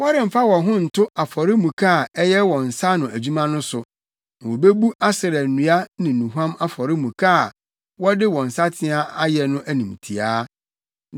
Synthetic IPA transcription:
wɔ˦ɾɪ̃˨m̩˨fa˦wɔ̃˨ɦʊ̃˦n̩˨tʰʊ˦a˨fɔ˨ɾɪ˦mũ˨kʰa˦˨ɛ˦jɛ˦wɔ̃˨n̩˨sa˦nʊ̃˨æ˨d͡ʑu˦mã˦nʊ̃˦sʊ˨ | nã˨wo˨be˦bu˦ʔa˦sɪ˨ɾɛ˨n̩˨nũ˨a˦nɪ̃˨nũ˨ɦã˦ma˦fɔ˨ɾɪ˦mũ˨kʰa˦˨ | wɔ˦dɪ˦wɔ̃˨n̩˨sa˦tʰɪ̃˦a˦a˦jɛ˨nʊ̃˦ʔæ˦nĩ˨m˨tʰi˨aː˦

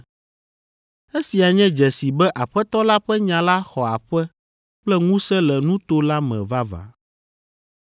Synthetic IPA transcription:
e˦si˨a˨ɲɛ̃˦d͡ʒɛ˨si˨bɛ˦ʔa˨ɸɛ˦t̪ɔ˦la˦ɸɛ˦ɲã˨la˦xɔ˨a˨ɸɛ˦ | plɛ˦ŋũ˦sɛ˦lɛ˨nũ˦t̪o˦la˦mɛ̰̃˨va˦va̰˨

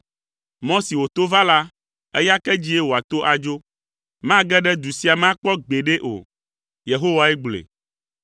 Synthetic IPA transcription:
mɔ̃˦si˨wo˨t̪o˦va˦la˦ | ḛ˦ja˦kɛ˦d͡ʑi˦e˦wo˨a˨t̪o˦ʔa˨d͡ʒo˦ | mã˦ɡɛ˦ɖɛ˦d̪u˨si˦a˨mã˦k͡pɔ˦ɡ͡be˨ɖe˦ʔo̰˨ | je˨ɦo˦wa˦ɛ˦ɡ͡blḛ˨

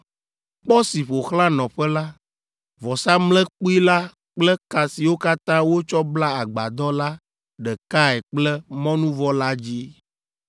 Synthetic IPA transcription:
k͡pɔ˦si˨ɸo˨xlã˦nɔ̃˨ɸɛ˦la˦ | vɔ˨sa˦mlɛ̃˦k͡pu˦i˦la˦ | k͡plɛ˦ka˨si˨wo˦ka˦t̪ã˦wo˦t͡ʃɔ˦bla˦a˨ɡ͡ba˨d̪ɔ˦la˦ | ɖɛ˨ka˦ɛ˨k͡plɛ˦mɔ̃˦nũ˦vɔ˦la˦d͡ʑi˦

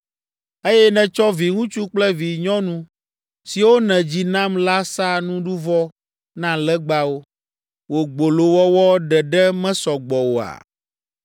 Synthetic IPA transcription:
e˦jɛ˦nɛ̃˨t͡ʃɔ˦vi˨ŋũ˦t͡ʃu˦k͡plɛ˦vi˨ɲɔ̃˦nũ˦ | si˨wo˦nɛ̃˨d͡ʑi˨nã˦mla˦sa˦nũ˦ɖu˦vɔ˦ | nã˦lɛ˦ɡ͡ba˦wo˦ | wo˨ɡ͡bo˨lo˨wɔ˦wɔ˦ɖɛ˨ɖɛ˦mɛ̃˦sɔ˨ɡ͡bɔ˨wo˦a̰˨

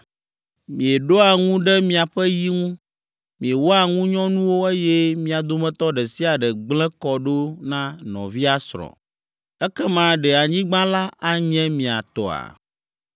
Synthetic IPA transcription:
mĩ˨e˨ɖo˦a˨ŋũ˦ɖɛ˦mĩ˨a˨ɸɛ˦ji˦ŋũ˦ | mĩ˨e˨wɔ˦a˨ŋũ˦ɲɔ̃˦nũ˦wo˦e˦jɛ˦mĩ˦a˨d̪o˦mɛ̃˦t̪ɔ˦ɖɛ˨si˦a˨ɖɛ˨ɡ͡blɛ̃˦kɔ˨ɖo˦nã˦nɔ̰̃˨vi˦a˦sɾɔ̰̃˨ | ɛ˦kɛ˦mã˦ɖɛ˨a˨ɲĩ˦ɡ͡bã˦la˦a˦ɲɛ̃˦mĩ˨a̰˨t̪ɔ̰˨a̰˨

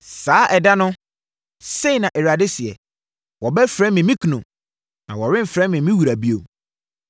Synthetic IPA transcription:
saː˨˦ʔɛ˨da˦nʊ̃˦ | se˦i˨nã˨ʔɛ˨ɾa˨dɪ˦sɪ˨ɛ̰˨ | wɔ˨bɛ˦fɾɛ̃˦mɪ̃˨mĩ˦kʰu˨nʊ̃˨ | nã˨wɔ˨ɾɪ̃˦m̩˨fɾɛ˦mɪ̃˨mĩ˦wu˨ɾa˨bi˦o˨

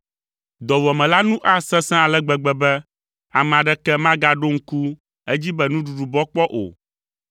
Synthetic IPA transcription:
d̪ɔ˨wɔ˨mɛ̃˨la˦nũ˦ʔa˦sɛ̃˦sɛ̃˦a˨lɛ˦ɡ͡bɛ˨ɡ͡bɛ˨bɛ˦ | a˨mɛ̃˨a˨ɖɛ˦kɛ˦mã˦ɡa˨ɖo˦ŋ̩˦ku˦ | ɛ˦d͡ʑi˦bɛ˦nũ˦ɖu˨ɖu˨bɔ˦k͡pɔ˦ʔo̰˨

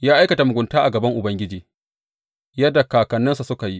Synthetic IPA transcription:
jaː˦ʔa˦jkɐ˨ta˨mʊ˨ɡʷʊ˨ntaː˦ʔa̰˨ɡɐ˨bɐ˦ŋʔʊ˨bɐ˦ŋɡʲɪ˦d͡ʒiː˨ | jɐ˦da˨kaː˨kɐ˨nːɐ˦nsa˨sʊ˦ka˨ji˦ʔ

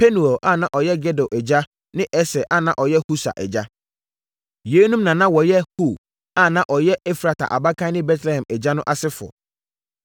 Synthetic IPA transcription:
pʰe˦nu˨o˨ʔa˦˨nã˨ʔɔ˨jɛ˦ɡɛ˦do˨ʔɛ˨d͡ʑa˦ | nɪ̃˦ʔɛ˦sɛ˨ʔa˦˨nã˨ʔɔ˨jɛ˦hu˦sa̰˨ʔɛ̰˨d͡ʑa˦ | jeː˨˦nũ˦mnã˨nã˦wɔ˨jɛ˦hu˦˨ | a˦˨nã˦ʔɔ˨jɛ˦ʔɛ˦fɾa˨tʰa̰˨ʔa̰˨ba˦kʰã˦nɪ̃˦bɛ˦tʰlɛ˨hɛ̃˨mɛ˨d͡ʑa˦nʊ̃˦ʔa˨sɪ˦fʊ˨ɔ̰˨

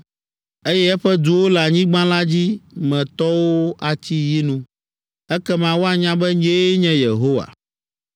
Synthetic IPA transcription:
e˦jɛ˦ɛ˦ɸɛ˦d̪u˨wo˦lɛ˨a˨ɲĩ˦ɡ͡bã˦la˦d͡ʑi˦mɛ̃˨t̪ɔ˦wo˦ʔa˨t͡ɕi˦ji˦nũ˦ | ɛ˦kɛ˦mã˨wo˦a˨ɲã˨˦bɛ˦ɲ˦e˦ɲɛ̃˦je˨ɦo˦wa̰˨

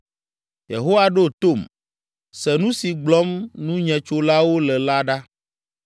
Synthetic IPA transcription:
jḛ˨ɦo˦wa˦ɖo˦t̪o˦˨m | sɛ˨nũ˦si˨ɡ͡blɔ˦mnũ˦ɲɛ̃˨t͡ʃo˦la˦wo˦lɛ˨la˦ɖa˦

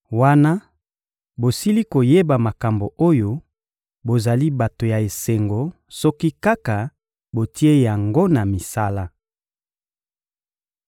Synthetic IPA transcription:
wa˦na˦ | bo˨si˦li˦ko˨je˦ba˨ma˨ka˨mbo˨ʔo˦jo˦ | bo˨za˨li˦ba˨to˨ja˨e˨se˨ŋɡo˨ | sɔ˦ki˦ka˦ka˨ | bo˨tʰi˦e˦ja˨ŋɡo˦na˨mi˨sa˦la˦

